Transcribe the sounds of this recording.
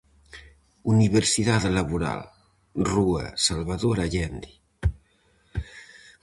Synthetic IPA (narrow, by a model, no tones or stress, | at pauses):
uniβeɾsiðaðlaβuɾa̰l | ruə̰salβaðoɾaʎɛnd̪i